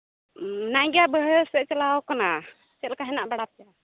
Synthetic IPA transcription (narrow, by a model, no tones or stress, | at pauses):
najɡabəɦəsɛʔt͡ʃalawkana | t͡ʃɛlkaɦɛnaʔbaɽap̚ɛja